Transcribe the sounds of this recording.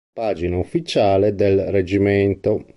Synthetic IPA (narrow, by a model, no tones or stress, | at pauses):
paːd͡ʒinaufːit͡ʃaːled̪elred͡ʒimɛnt̪o